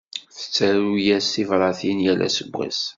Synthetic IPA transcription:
θə̥t͡sːæɾujæsθivɾˤɑθinjælæ̰səɡʷʁḭs

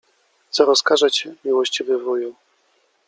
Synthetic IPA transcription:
t̪sɔɾɔskaʐat͡ɕɛmʲiwɔɕt͡ɕivɘvuju

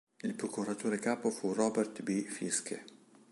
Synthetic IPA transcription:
ilpɾokuɾat̪oːɾekaːpofurɔːbɛrt̪bifiskʰḛ

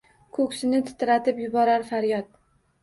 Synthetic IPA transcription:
kʰɵkʲsɪnɪt̪ʰɪ̥t̪ɾat̪ʰɪpjʊbɒɾaɾfaɾjɒt̪̚

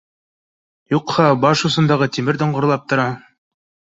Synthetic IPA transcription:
juqhɑbɑʃusɤ̆nd̪ɑʁɤt̪imɘɾd̪ŏɴʁŏɾlˠɑp̚t̪ŏɾɑ

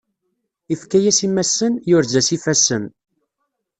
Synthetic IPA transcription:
ifkæjæsimːæsːənjʊɾzæsifæsːən

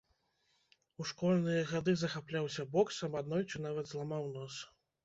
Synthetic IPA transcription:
uʂkɔlʲnɨjɐɣad̪ɨzɐxaplʲawsʲɐbɔksɐmad̪nɔjʲunavɐd̪zlˠamawnɔs

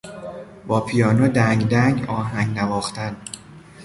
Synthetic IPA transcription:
b̥ɒːpʰijɒːnɒːd̪æŋɡd̪æŋɡɒːɦæŋɡnævɒːxt̪æn

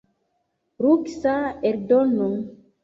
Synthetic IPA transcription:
ɾuksaeɾdonoŋ

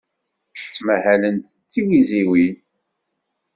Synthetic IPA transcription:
st͡sːmæhælənt̪t͡sːiɡiziwin

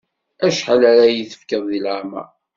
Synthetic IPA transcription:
æʃħalæɾajəθə̥fkəðˤːilʕamæ̰

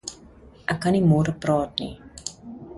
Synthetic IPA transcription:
ʔɛkːɐnimoːɾəprɑːtnḭ

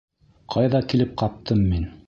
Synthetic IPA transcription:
qʰɑjðɑkilɘp̚qɑp̚t̪ʰɤmːin

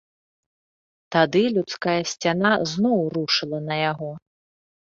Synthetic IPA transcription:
t̪ad̪ɨlʲut̪skajɐsʲt͡sʲanaznɔwɾuʂɨlˠɐnɐjaɣɔ

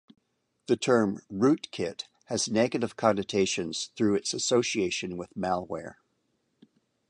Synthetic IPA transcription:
ðɨtʰɜ̃˞mɹʉt̚kʰɪt̚ | hɨzneɡɨɾɨv̥kʰɑ̃nɨtʰeɪʃɨ̃nz̥θɹʉɨtsɨsoʊsieɪʃɨ̃nwɪðmælˠwɛ̰ɹ

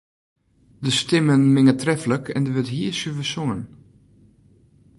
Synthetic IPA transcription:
dəstɪmənmɪŋətrɛfələkʰɛndəʋøtɦiːəsyvəsʊŋən

